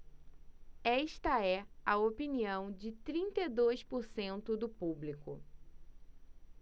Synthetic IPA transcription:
ɛʃt̪ɐɛɐopiniɐ̃w̃d͡ʒɪt̪ɾĩnt̪ed̪ojspoɾsẽnt̪ʊd̪ʊpublikʊ̰

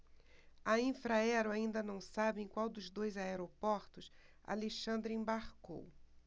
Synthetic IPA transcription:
ɐĩfɾaɛɾʊaĩnd̪ɐnɐ̃w̃sabẽj̃kwawd̪ʊzd̪ojzaeɾopɔɾt̪ʊs | a̰leʃɐ̃nd̪ɾɪẽbaɾko̰w

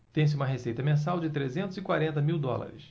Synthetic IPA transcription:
t̪ẽj̃s̬ɪũmɐɦesejt̪ɐmẽs̬awd͡ʒɪt̪ɾezẽnt̪ʊzɪkwaɾẽnt̪ɐmiwd̪ɔ̰la̰ɾɪ̰s

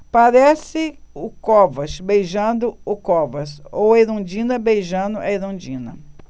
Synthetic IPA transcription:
paɾɛsɪʊkɔvɐʃbejʒɐ̃nd̪ʊʊkovɐsowɐajɾõd͡ʒĩnɐbejʒɐ̃nd̪ʊʔɐejɾõd͡ʒĩnɐ̰

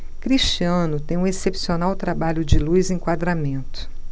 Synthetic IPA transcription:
kɾiʃt͡ʃiɐ̃nʊt̪ẽj̃ũesepsionawt̪ɾabaʎʊd͡ʒɪlujzẽkwad̪ɾamẽnt̪ʊ̥

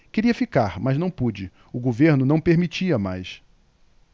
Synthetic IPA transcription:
keɾiɐfikaɾmɐznɐ̃w̃pud͡ʒɪ | ʊɡoveɾnʊnɐ̃w̃peɾmit͡ʃiɐma̰js

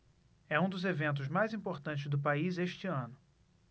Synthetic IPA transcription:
ɛũd̪ʊzevẽnt̪̬ʊzmajzĩpoɾt̪ɐ̃nt͡ʃɪzd̪ʊpaizeʃt͡ʃɪɐ̃nʊ

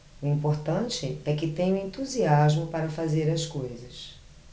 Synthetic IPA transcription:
ʊĩpoɾt̪ɐ̃t͡ʃɪɛkɪt̪ẽjɲʊ̃ẽnt̪uziazmʊpaɾɐfazeɾɐskojzɐs

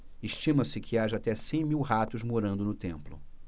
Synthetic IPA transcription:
eʃt͡ʃĩmɐsɪkʰɪaʒɐːt̪ɛsẽj̃miwɦat̪ʊzmoɾɐ̃nd̪ʊnʊt̪ẽmplʊ̰

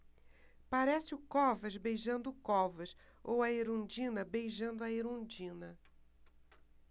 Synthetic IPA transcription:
paɾɛsɪʊkɔvɐzbejʒɐ̃nd̪ʊkɔvɐʃ | owɐeɾõd͡ʒĩnɐbejʒɐ̃nd̪ʊɐeɾõd͡ʒĩnɐ

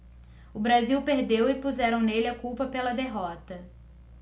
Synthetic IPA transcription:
ʊbɾaziwpeɾd̪ewɪpuzɛɾɐ̃w̃nelɪɐkuwpɐpelɐd̪eɦɔt̪ɐ

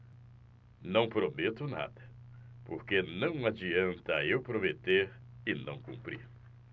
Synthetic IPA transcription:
nɐ̃w̃pɾomet̪ʊna̰d̪ɐpoɾkenɐ̃w̃ad͡ʒiɐ̃nt̪aewpɾomet̪eɾɪnɐ̰̃w̃kṵ̃mpɾḭɾ

